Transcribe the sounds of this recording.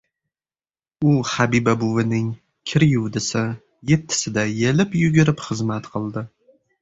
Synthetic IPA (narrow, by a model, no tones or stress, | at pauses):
ʊhabibabʊvɪnɪŋ | kʲʰɪɾjʊwd̪ɪsɪ | je̞t̪ʰːɪ̥sɪd̪ajelɪpjʊɡʲɪɾɪpχɨzmat̪qʰɨlˠd̪ɪ